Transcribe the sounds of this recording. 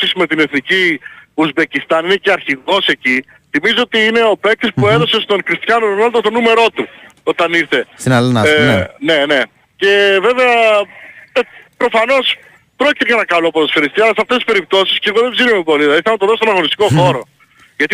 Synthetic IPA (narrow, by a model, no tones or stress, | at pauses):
sisme̞t̪ine̞θniciuzbe̞cist̪ɐnine̞ceɐɾçiɣo̞se̞ci | θimizoot̪iine̞o̞pe̞k̚t̪ispue̞ðo̞sest̪o̞nkɾist̪çɐnoɾonɐld̪ot̪o̞nume̞ɾo̞t̪uo̞t̪ɐniɾθe̞snɐlnne̞ne̞ | ce̞ve̞veɐ | epɾo̞fɐno̞s | pɾo̞ci̥t̪ekɐnɐkɐlopot̪ɐsfeɾist̪iɐlɐsɐft̪esispeɾip̚t̪o̞sisceɣoðebziɾumepo̞lilɐiθɐlɐt̪oðost̪o̞nɐɣo̞nist̪iko̞xo̞ɾo̞ | ʝɐt̪i